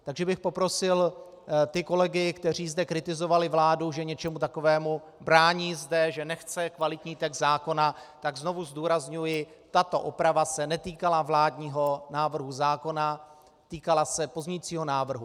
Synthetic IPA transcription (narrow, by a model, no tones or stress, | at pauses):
t̪aɡʒɛbɪxpo̞pɾo̞sɪl | t̪ɪko̞lɛɡɪkt̪ɛr̝iːzdɛkɾɪt̪ɪzovalɪvlaːduʒɛɲɛt͡ʃɛmut̪ako̞vɛːmu | bɾaːɲiːzdɛʒɛnɛxt͡sɛkvalɪt̪ɲiːt̪ɛɡzzaːko̞nat̪aɡzno̞vuzduːɾazɲujɪ | t̪at̪o̞ʔopɾavasɛnɛt̪iːkalavlaːdɲiːɦo̞naːvr̩ɦuzaːko̞na | t̪iːkalasɛpozɲɛjit͡siːɦo̞naːvr̩ɦu